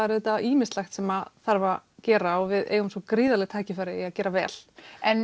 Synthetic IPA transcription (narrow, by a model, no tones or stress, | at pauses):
aɾðɛt̪aiːmɪst̪laxt̪sɛmaθaɾvacɛːɾaɔvɪðḛːjʏmsɔkɾiːðalɛɣt̪ʰaːcɪfaːɾɪiaðcɛːɾavɛːl̥ɛn